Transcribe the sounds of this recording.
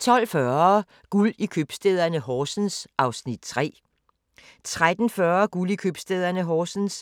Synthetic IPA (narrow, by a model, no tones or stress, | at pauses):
t͡sʰɒ̽l̰fɶɐ | ɡ̥ulikʰøb̥sd̥eðˠɐnəɦɒːsn̩sɑ̈ʊsnid̥̚t͡sʰʁɛ̰ː | t͡sʰʁad̥n̩fɶɐɡ̥ulikʰøb̥sd̥eð̞̰ˠɐnəɦɒːsn̩s